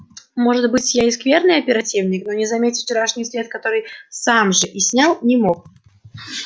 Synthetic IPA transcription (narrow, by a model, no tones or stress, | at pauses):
mo̞ʐɨt̪bɨtʲjaɪskvʲernɨjɐpʲɪɾɐtʲivnʲɪkno̞nʲɪzɐmʲetʲɪft͡ɕɪɾaʂnʲɪjsʲvʲet̪̚kɐt̪o̞ɾɨjsamʐɨʔisʲnʲalˠnʲɪmo̞k